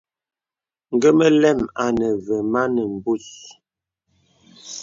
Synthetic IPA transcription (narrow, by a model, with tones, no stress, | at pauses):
ŋ̩˨ɡə˦mə˦lɛ˦˨ma˨nə˨və˨ma˦nə˨m̩˨bu˦s